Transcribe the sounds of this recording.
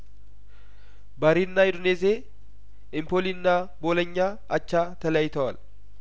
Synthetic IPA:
bɐɾinːajɪd̪ʊneːs̬eː | ɪmpolɪnːaːboːlɐɲːaː | ɐt͡ʃːaːt̪ɐlɐjt̪ɐwɐl

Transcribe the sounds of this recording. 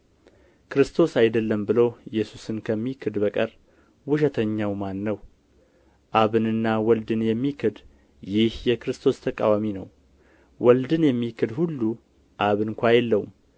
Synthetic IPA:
kɨɾɨst̪ʰo̞sajd̪əlːəmbɨlowjɛsusɨnkʰəmːikʰɨd̪bəkʼəɾ | wʊʃ̬ɛt̪ʰəɲːawmanːəw | ʔaβɨnɨnːawɔld̪ɨnjɛmːikʰɨd̪ | jɪhjɛkɨɾɨst̪ʰo̞st̪ʰəkʼa̰waminəw | wʔɔld̪ɨnjɛmːikʰɨd̪hulːu | ʔaβɨnkʷajɛlːəwum

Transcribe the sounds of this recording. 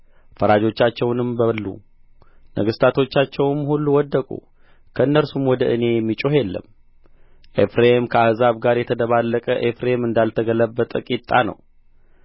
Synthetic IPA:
fəɾad͡ʒo̞t͡ʃːat͡ʃːɛwnɨmbəlːṵ | nʔəɡɨst̪ʰat̪ʰo̞t͡ʃːat͡ʃːɛwmhulːuwɔd̪ːəkʼṵ | kʰəɨnːəlsumwɔd̪əʔɨne̞jɛmːit͡ʃʼoɦelːə̰m | ʔefɾemkʰəahzaβɡaɾjɛt̪ʰəd̪əβalːəkʼəʔefɾemɨnd̪alt̪ʰəɡələbːət̪ʼəkʼit̪ʼːanə̰w

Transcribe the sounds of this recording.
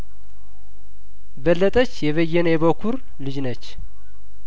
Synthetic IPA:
bəlːət̪ʼət͡ʃːjɛβəjːɛnjɛβəkʰuɾ | lɨd͡ʒnət͡ʃː

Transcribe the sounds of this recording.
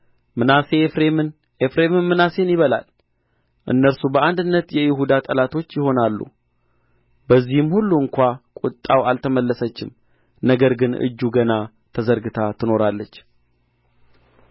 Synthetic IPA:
mɨnase̞fɾemɨn | efɾemɨnːɨnase̞njɪβəla̰l | ʔɨ̰nːəɾsubəʔand̪ɨnːət̪jɛjɪɦud̪at̪ʼəlat̪ʰo̞t͡ʃːjɪho̞nalːṵ | bəzːihɨmhulːuɨŋkʷakʼʊt̪ʼːawalt̪ʰəməlːəsət͡ʃːɪ̰m | nəɡəɾɡɨnɨ̰d͡ʒːuɡəna | t̪ʰəzəɾɡɨt̪ʰat̪ʰɨno̞ɾalːət͡ʃː

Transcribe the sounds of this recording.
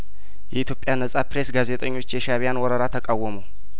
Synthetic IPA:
jɛit̪ʰjopʼːjanəsʼapɾe̞sɡaze̞t̪ʼəɲːo̞t͡ʃːjɛʃaβijanwɔɾəɾat̪ʰəkʼawːəməw

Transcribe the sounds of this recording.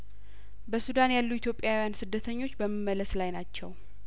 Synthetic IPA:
bəsud̪anjalːuit̪ʰjo̞pʼjawijansɨd̪ːət̪ʰəɲːo̞t͡ʃːbəmːimːələslajnat͡ʃːɛw

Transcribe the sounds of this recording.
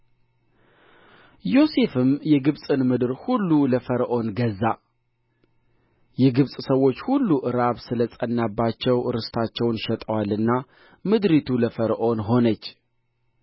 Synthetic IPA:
jo̞se̞fɨmjɛɡɨβsʼɨnmɨd̪ɨɾhulːuləfəɾʔo̞nɡəzːa | jɛɡɨβsʼsəwːo̞t͡ʃːhulːuʔɨɾaβsɨləsʼənːabːat͡ʃːɛwɾɨst̪ʰat͡ʃːɛwnʃɛt̪ʼəwalɨnːa | mɨd̪ɾit̪ʰuləfəɾʔo̞nɦo̞nət͡ʃː

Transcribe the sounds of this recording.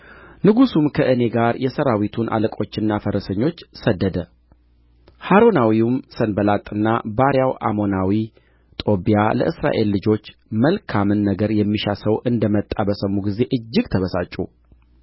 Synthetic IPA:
nɨɡusumkʰəʔɨne̞ɡaɾjɛsəɾawit̪ʰunʔa̰ləkʼo̞t͡ʃːɪnːafəɾəsəɲːo̞t͡ʃːsəd̪ːəd̪ə | haɾo̞nawiumsənbəlat̪ʼːɨnːabaɾjawʔa̰mo̞nawi | t̪ʼo̞bijalə̰ʔɨsɾa̰ʔe̞lːɨd͡ʒo̞t͡ʃːməlkʰamɨnːəɡəɾjɛmːiʃasəwʔɨnd̪əmət̪ʼːabəsəmːuɡize̞ʔɨd͡ʒːɪɡt̪ʰəβəsat͡ʃʼṵ

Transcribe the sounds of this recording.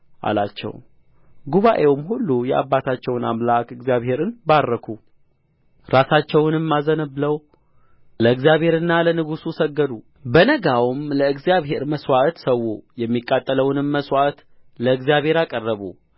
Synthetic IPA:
ʔa̰la̰t͡ʃːɛ̰w | ɡuβaʔe̞wmhulːujɛʔa̰bːat̪ʰat͡ʃːɛwna̰mlakɨɡzjaβhe̞ɾɨnbaɾːəkʰu | ɾasat͡ʃːɛwnɨmːazənəbləw | ləɨɡzijaβhe̞ɾɨnːalənɨɡususəɡːəd̪u | bənəɡawmləɨɡzijaβɦe̞ɾməswaʔt̪səwːujɛmːikʼːat̪ʼːələwnɨmːəswaʔt̪ | ləɨɡzijaβhe̞ɾakʼərːəβṵ

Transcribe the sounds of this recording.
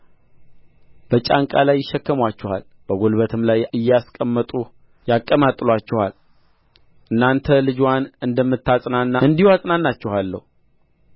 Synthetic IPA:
b̥ət͡ʃʼaŋkʼa̰lajːɪʃːɛkːəmwat͡ʃːɛha̰l | b̥əɡo̞lbət̪ʰɨmlajɨjːɛaskʼəmːət̪ʼu | jakʼːəmat̪ʼlwat͡ʃːɛhal | ʔɨnːant̪ʰəlɨd͡ʒwanɨnd̪əmːɨt̪ːasʼnanːaɨnd̪iwasʼnanːat͡ʃːɛhalːə̰hu

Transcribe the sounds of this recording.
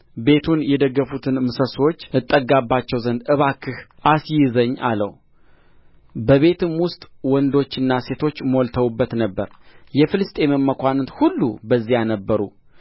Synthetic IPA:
be̞t̪ʰunjɛd̪əɡːəfut̪ʰɨnmɨsəsot͡ʃːɨt̪ʼːəɡːabːat͡ʃːɛwzənd̪ɨβakʰːɨhʔasjɪzəɲːʔa̰lə̰w | bəβe̞t̪ʰɨmwʊst̪ʼwɔnd̪o̞t͡ʃːɨnːase̞t̪ʰo̞t͡ʃːməwɔlt̪ʰəwubːət̪nəbːəɾjɛfɨlɨst̪ʼe̞məmːəkʷant̪hulːṵbəzːijanəbːəɾṵ

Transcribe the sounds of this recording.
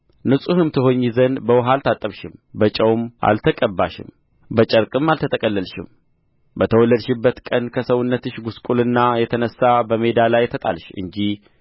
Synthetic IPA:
nɨsʼuhɨmt̪ʰɨɦo̞ɲːizənbəwɦalt̪ʰat̪ʼːəβʃɪmbət͡ʃʼəwmʔa̰lt̪ʰəkʼəbːaʃɪ̰m | bət͡ʃʼəɾkʼɨmːalt̪ʰət̪ʰəkʼəlːəlʃɪ̰m | bət̪ʰəwɔlːəd̪ʃɪbːət̪kʼənkʰəsəwʊnːət̪ɨʃɡuskʼulɨnːajɛt̪ʰənəsːabəme̞d̪alajt̪ʰət̪ʼa̰lʃɨ̰ɲd͡ʒih

